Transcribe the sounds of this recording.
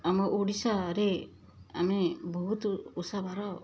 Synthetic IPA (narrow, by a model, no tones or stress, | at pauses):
amɔʔuɽisaɾe | amebɔɦut̪usabʱaɾaw